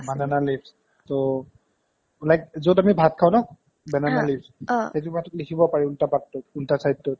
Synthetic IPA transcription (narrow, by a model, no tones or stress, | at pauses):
bananalips | to | ulajk̚zodamibʱatkʰawnɔ | bɛnanalipsxet̬ubʱatɔtlikʰibɔpaɹɛultapatːɔtultasajtːɔt̚